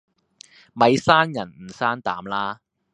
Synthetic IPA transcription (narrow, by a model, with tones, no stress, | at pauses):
mɐ˨˧jsaː˥njɐ˨˩nm̩˨˩saː˥nt̪aː˨˥mlaː˥